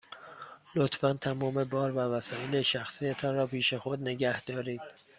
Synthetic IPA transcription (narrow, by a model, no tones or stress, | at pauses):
lot̪ʰfænt̪ʰæmɒːme̞bɒːɾvævæsɒːjeleʃæxsiːjet̪ʰɒːnɾɒːpʰiːʃe̞xod̪ne̞ɡæhd̪̥ɒːɾiːd̪̥̚